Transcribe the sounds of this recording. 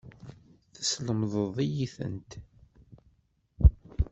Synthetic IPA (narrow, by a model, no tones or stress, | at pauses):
θə̥sləmðˤəðˤijiθə̰nt̪